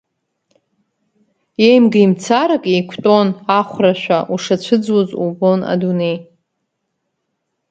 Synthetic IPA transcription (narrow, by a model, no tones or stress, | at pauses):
jejmɡajmt͡sʰaɾakʼejkʷʰtʼo̞naχʷraʃʷᶣaʔuʂat͡ɕʷʰɨd͡zwozṵbo̞na̰dunej